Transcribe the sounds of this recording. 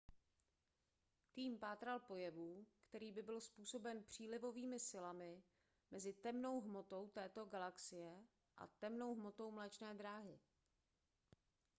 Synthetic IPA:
t̪iːmpaːt̪ɾalpo̞jɛvuːkt̪ɛɾiːbɪbɪlspuːso̞bɛnpr̝̥iːlɪvo̞viːmɪsɪlamɪ | mɛzɪt̪ɛmno̞wɦmo̞t̪o̞wt̪ɛːt̪o̞ɡalaksɪjɛ | ʔa̰t̪ɛmno̞wɦmo̞t̪o̞wmlɛt͡ʃnɛːd̪ɾaːɦɪ

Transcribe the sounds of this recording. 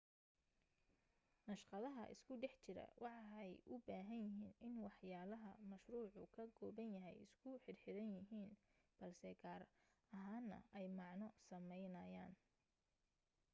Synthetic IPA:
nɐʃqɑðɐɦɐʔɪ̰skʰʊɖɛħt͡ʃɪɾɐ̰wʔɑħɑɛjʔʊbaːɦɐnjɪɦiːnɪnwɑħjaːlɐɦɐmɐʃruːʕʊkʰɐɡɔːbɐnjɐɦɛ̰jɪskʰʊħɪrħɪɾɐnjɪɦiːn | b̥ɐlsɛɡaːr | ɐɦaːnːɐ̰ʔɛjmɑʕnɔsɐmɛjnɐːjaːn

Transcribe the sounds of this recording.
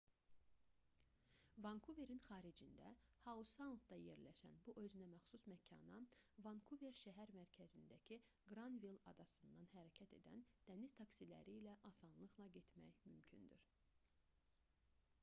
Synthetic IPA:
vɑŋkʰuve̞ɾinχɑːɾid͡ʒind̪æ̰hɑusɑnut̪̚d̪ɑje̞ɾlæʃæ̰nbuʔø̞zynæmæχsusmæcʰɑ̰nɑvɑŋkʰuve̞ɾʃæɦæɾmæɾcʰæzind̪æcʰi | ɡɾɑnvilˠɑd̪ɑsɯnd̪ɑnhæɾæcʰæt̪ʰe̞̰d̪æ̰nd̪̥æniz̥t̪ʰɑksilæ̰ɾiːlæʔɑsɑnlˠɯɣlˠɑɟe̞t̪mæ̰jmymcʰynd̪yɾ

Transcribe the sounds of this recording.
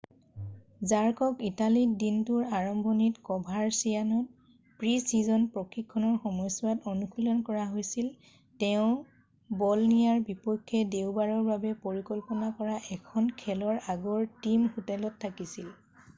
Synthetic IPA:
zaɹkɔkitalidintuɹaɹɔmbʱɔnitkɔbʱaɹsijanɔt̚ | pɹisizɔnpɹɔkʰikʰːɔnɔɹxɔmɔjsuwatɔnukʰulɔnkɔɹaɦojsil | tɛʊ̃ | bɔlnijaɹbipɔkʰːɛdewbaɹɔɹbabɛpoɹikɔlpɔnakɔɹaʔɛkʰɔnkʰɛlɔɹaɡɔɹtimhutɛlɔtʰːakisil

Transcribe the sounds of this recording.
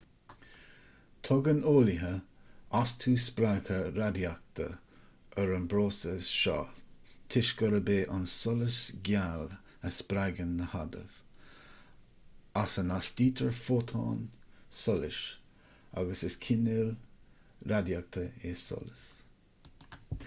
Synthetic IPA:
t̪ʰɔɡənoːlɪɦəast̪ʰuːspɾakʰəɾad̪jak̚t̪ʰə̰ | əɾənbɾoːsəʃɑ̰ːt̪ʰɪʃɡəɾəbeːʔansɔləsɡjal | əspɾaɡənːəhad̪ə̰v̥ | asənasd̥iːt̪ʰəɹfoːt̪ʰɑ̰ːnsɔlɪʃ | a̰ɡəsəskʰɪnil | ɾad̪jak̚t̪ʰəesɔ̰ləs

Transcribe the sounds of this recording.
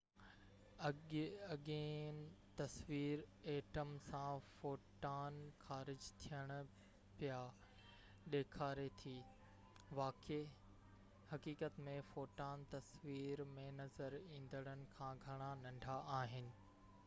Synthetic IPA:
ɐɠeːnt̪ɐsʋiːɾeːʈəmsãfoːʈaːnxaːɾɪd͡ʑt̪ʰijəɽ̃ʊ | pija | ɗeːkʰaːɾet̪ʰi | ʋaːke | hɐkiːkət̪mẽfoːʈaːnt̪ɐsʋiːɾmẽnɐzəɾĩːn̆d̪əɽ̃ənɪ̆kʰãːɡʱɐɽ̃anɐ̃ɳɖʱaʔaːɦɪnɪ̆

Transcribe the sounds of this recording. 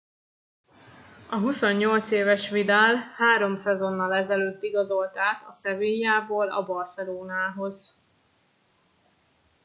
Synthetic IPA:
ɒɦuso̞ɲːo̞lt̪seːvɛʃʋid̪aːlhaːɾo̞msɛzo̞nːɒlɛzɛløːt̪ːiɡɒzo̞lt̪aːt̪ɒsɛveːɲjaːboːlɒ̰bɒrsɛloːnaːɦo̞z̥

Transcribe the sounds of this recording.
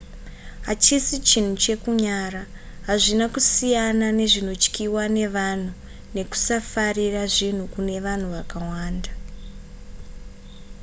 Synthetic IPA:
ɦat͡ʃisit͡ʃin̤ut͡ʃe̞kuɲaːra | ɦaʐinakusijanane̞ʐino̞t͡ʃkiwane̞ʋan̤u | ne̞ku̥safariraʐin̤ukune̞ʋan̤uʋakawaːnda

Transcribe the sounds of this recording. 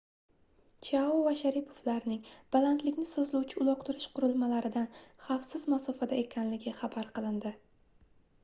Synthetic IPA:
t͡ʃʰaʊvaʃaɾipʰovlaɾnɪŋb̥alant̪lɪkʲnɪsɵzluwt͡ʃʰɪʊlˠɒq̚t̪ʰʊɾɪʃqʊɾɪlˠmalaɾɪd̪anχɑfsɪzmasɒfad̪ae̞kʲʰanlɪɡʲɪχabaɾqɨlˠɪnd̪ɪ

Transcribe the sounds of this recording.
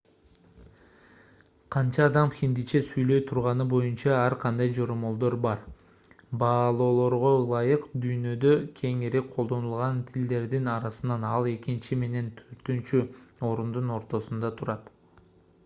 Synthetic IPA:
qʰɑnt͡ʃɑːd̪ɑmxʲind̪it͡ʃesyjlø̞jt̪ʰuɾʁɑnɯbo̞junt͡ʃɑæɾqʰɑnd̪ɑjd͡ʒo̞ɾomo̞lˠd̪o̞ɾbɑɾ | bɑːlˠo̞ːlˠo̞ɾʁo̞ɯlˠɑjɯqd̪yjnø̞d̪ø̞kʲʰe̞ŋiɾiqʰo̞lˠd̪o̞nulˠʁɑnt̪ʰild̪e̞ɾd̪inɑɾɑsɯnɑnɑlˠe̞kint͡ʃime̞ne̞nt̪ʰøɾt̪ynt͡ʃyo̞ɾund̪uno̞ɾt̪o̞sund̪ɑt̪ʰuɾɑt̪

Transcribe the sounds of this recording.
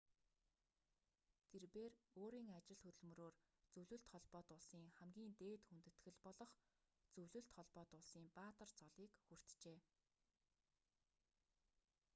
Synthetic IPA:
t̪ʰerpeːroːɾiːŋat͡ɕɪ̆ɮt̪ʰɵt̪ɵ̆ɮmɵ̆ɾoːr | t͡sɵwɮɵ̆ɬt̪χɔɮpɔːt̪ʊɮsiːŋχæmɡʲiːnt̪eːt̪xunt̪ɘ̆t̪xɘ̆ɮpɔɮɞ̆χ | t͡sɵwɮɵ̆ɬt̪χɔɮpɔːt̪ʊɮsiːmpaːt̪ə̆rt͡sɔɮiːkxur̥t̪t͡ɕeː

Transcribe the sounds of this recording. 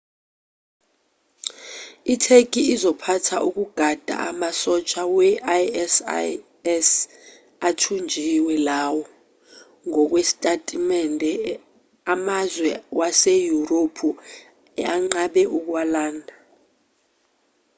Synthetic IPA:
itʰek̬ʼiːzɔpʰatʰaʔuk̬ʼuɡ̥ʱad̥ʱa̰ʔa̰masɔt͡ʃʰʼawɛʔaɛs | ɛs | atʰund͡ʒʱiwɛlawɔ | ŋɔk̬wesi̥tʼatʼimɛndʱɛ | amazwɛwasejuropʰu | ɛaŋ͡ǀaɓɛʔuk̬walaːndʱa

